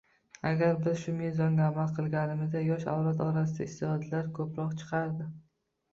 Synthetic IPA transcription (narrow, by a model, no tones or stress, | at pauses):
aɡʲaɾbɪzʃʊmezɒŋɡʲaːmalˠqʰɨlˠɡʲanɪmɪzd̪ajɒʃa̰wlat̪ɒɾas̬ɪd̪aɪst̪ɪh̪ɒd̪laɾkʰɵpɾɒqt͡ʃʰɨ̥qʰɑɾd̪ɪ